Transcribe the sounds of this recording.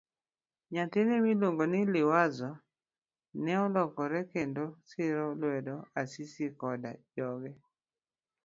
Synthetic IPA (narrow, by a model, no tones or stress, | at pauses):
ɲat̪ɪnemilwoŋɡonɪlɪwazɔ | nɛɔlɔkɔɾɛkendosɪɾɔlwɛdɔasisikɔda̰d͡ʒɔɡɛ